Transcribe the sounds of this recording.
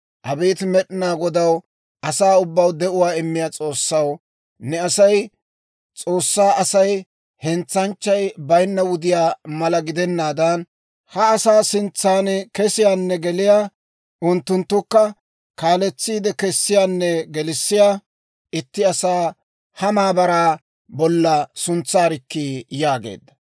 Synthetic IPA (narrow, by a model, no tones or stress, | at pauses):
ʔɐbeːt̪mɛɗɪnaːɡɔd̪ɐw | ʔɐsaːʊbːɐwd̪ɛʔʊwaːɪmːɪjaːt͡sʼo̞ːsːɐw | nɛɐsɐj | t͡sʼo̞ːsːaːʔɐsɐj | hɛnt͡sːɐnt͡ʃːɐjbɐjnːɐwʊd̪ɪjaːmɐlɐɡɪd̪ɛnːaːd̪ɐn | hɐːsaːsɪnt͡sːaːnkɛsɪjaːnːɛɡɛlɪjaː | ʊnt̪ːʊnt̪ːʊkːɐ | kaːlɛt͡sːiːd̪ɛkɛsːɪjaːnːɛɡɛlɪsːɪjaː | ɪt̪ːɪɐsaː | hɐmaːbɐɾaː | bɔlːɐsʊnt͡sːaːɾɪkːiːjaːɡḛːd̪ːɐ